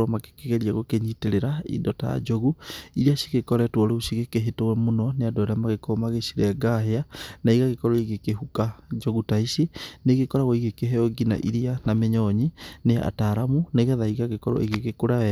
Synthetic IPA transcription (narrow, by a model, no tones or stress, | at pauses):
ɔmake̥keɣeɾiaɣokeɲiteɾeɾaḭndɔta̰ja̰d͡ʒoɣuiɾiaʃi̥ɣekɔɾɛtwɔɾeuʃiɣekeɦetowɛmonɔneadɔɾeamaɣekomaɣeʃiɾɛɡaɦeanaiɣaɣekɔɾɔiɣekeɦukad͡ʒoɣutaiʃeneɣekɔɾaɣɔiɣekeɦɛɔɡina̰ʔḭɾianameɲɔɲinea̰taɾamuneɣɛðaiɣaɣekɔɾɔ̰ʔiɣekekoɾaɛ